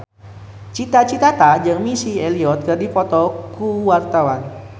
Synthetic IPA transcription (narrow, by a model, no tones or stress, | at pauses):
t͡ʃit̪at͡ʃit̪at̪ad͡ʒɨŋmisieliɔt̪̚kɨrdifɔt̪ɔkuwart̪awan